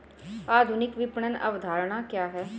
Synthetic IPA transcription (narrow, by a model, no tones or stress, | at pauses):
aːd̪ʱʊnɪkʋɪpɳənə̰ʋd̪ʱaːɾɳ̃aːkjaːɦɛː